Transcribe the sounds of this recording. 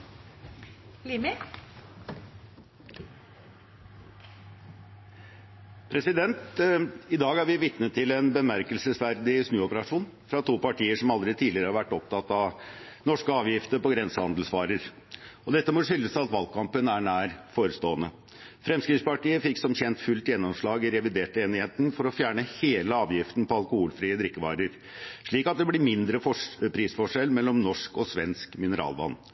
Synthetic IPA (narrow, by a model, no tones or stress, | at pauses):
limɪ | pʰɾɛsɪd̪ɛnt̪ɪd̪ɑːɡæɾʋɪʋɪt̪nət̪ʰːɪlɛnbəmæɾkəlsəsʋæɾd̪ɪsnʉːɔpəɾɑʂuːnfɾɑt̪ʰuːpɑʈʰiːəʂɔmɑld̪ɾɛt̪ʰiːlɪəɾəhɑɾʋæʈːɔp̚t̪ʰɑt̪ɑʋnɔʂkəɑːʋjɪft̪əɾpɔɡɾɛnsəhɑ̰nd̪l̩sʋɑːɾəɾ | ɔd̪ɛt̪ːəmɔʂʏlːəsɑt̪ʋɑlkʰɑmpənæɳæːɾfoːɾəst̪oːənə | fɾɛmskɾɪspɑʈiːəfɪksɔmçɛnt̪fʉlt̪jɛnːɔmʂɭɑːɡɪɾɛʋɪd̪eːʈəeːnɪheːt̪ənfɔɾɔfjæːɳəheːləɑːʋjɪft̪n̩pʰɔɑlˠkʊhuːlfɾiːəd̪ɾɪkːəʋɑ̰ːɾəɾ | ʂɭiːkɑt̪̚d̪ɛblɪɾmɪnd̪ɾəfɔpʰɾiːsfɔʂɛlmɛlːɔmnɔʂkɔsʋɛnskmɪnəɾʔɑ̰ːlʋɑ̰nː